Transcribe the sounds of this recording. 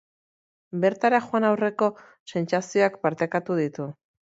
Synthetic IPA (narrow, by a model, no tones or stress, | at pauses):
be̞ɾt̪aɾaxwanawre̞ko̞ | se̞nt͡sasio̞akpaɾt̪ekat̪uð̞it̪u